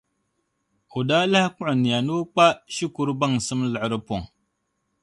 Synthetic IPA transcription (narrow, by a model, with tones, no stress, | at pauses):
u˨da˦la˦hkʊ˦ʔʊ˨ni˨ja˨nu˦k͡pa˦ʃi˦ku˨ɾba˦ŋ˨sɨ˦mlə˨ʔɾɨ˦po˨ŋ